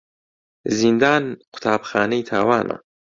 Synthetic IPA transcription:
zind̪aːnqʰʊ̥t̪ʰaːbxaːnɐjt̪ʰaːwaːnʔa̰

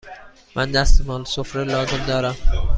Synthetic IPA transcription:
mʔænd̪æst̪emɒːlsofɾelɒːzemd̪ɒːɾæm

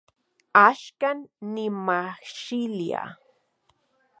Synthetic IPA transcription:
aʃkanːɪmaxʃɪlja̰

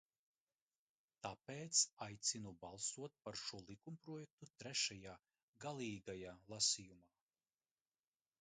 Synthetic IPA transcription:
t̪apeːt̪sajt̪sinubalˠsuɔt̪̚paɾʃuɔlˠikumpɾɔjɛk̚t̪ut̪ɾɛʃajaː | ɡalˠiːɡajaːlˠasijumaː

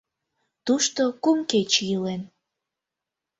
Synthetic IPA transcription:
t̪uʃt̪okumket͡ɕjəlen

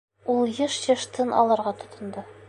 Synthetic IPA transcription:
ulˠjɤʃjɤ̆ʃt̪ɤnʔɒ̰lˠɑɾʁɑt̪ŏt̪ŏnd̪ɤ

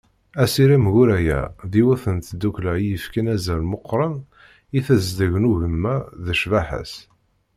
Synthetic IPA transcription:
æsiɾimʝuɾæjæ̰ðiwæθənt̪d̪uklæjəfkænæzælmoqːɾˤən | iθæzd̪əʝnuʝəmːæðəʃvaħə̰s

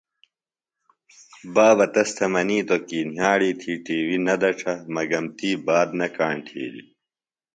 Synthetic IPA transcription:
baːʋɐt̪ɐst̪ʰɐmɐniːt̪okiːnɦaːɽiːt̪ʰiːʈiːwinɐd̪ɐʈ͡ʂʰɐmɐɡɐmt̪iːbaːd̪nɐkaːɳʈʰḛːlḭ

